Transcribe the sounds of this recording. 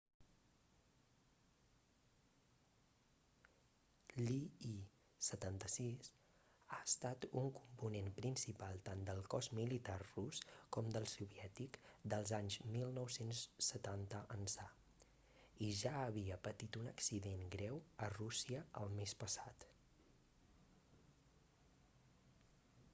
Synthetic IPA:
lii | sət̪ant̪əsis | aəst̪at̪uŋkumpunenpɾinsipalˠt̪and̪əlˠkɔzmilit̪arruskɔmd̪əlˠsuβiɛt̪ikd̪əlˠzaɲzmilˠnɔwsensːət̪ant̪əʔənsa | iʒaəβiəpət̪it̪unəksiðenɡɾɛwərusiəə̰lˠmespəsat̪

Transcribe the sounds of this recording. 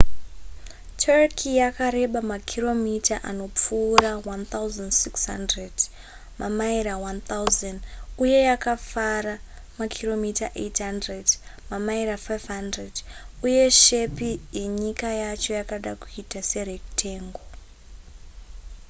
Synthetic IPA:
tʰarkʰijakaɾe̞ɓamakʰiro̞mitʰaʔano̞p͡fuːɾawant̪auzandsikshandred | mamaiɾawant̪awzanuje̞jakafaɾa | makʰiro̞mitaʔḛtɦandredmamaiɾafajvɦandreduje̞ʃe̞pijeɲikajat͡ʃo̞jakaɗakuitase̞rektʰe̞ːŋɡo

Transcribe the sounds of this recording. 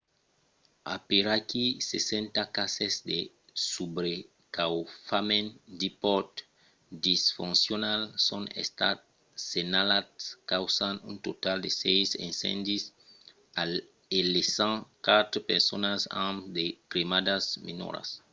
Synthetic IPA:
a̰peɾakisesẽnt̪akasezd̪e | subɾe | kawfamẽnd̪ipɔɾt̪ | d̪isfũnsjonalsõnḛst̪a̰t̪̚ | senalat̪skawsanṵ̃nt̪ot̪ald̪esejsḛ̃nsɛ̰̃nd̪is | elesãŋkat̪ɾopeɾsonasãmd̪ekɾimad̪asmḭno̰ɾa̰s

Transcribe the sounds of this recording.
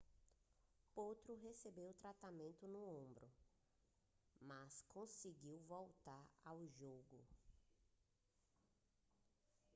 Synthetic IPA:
pot̪ɾʊɦesebewʊt̪ɾat̪amẽnt̪ʊnũõbɾʊ | maskʰõsiɡiwvowt̪aɾawʒoɡʊ

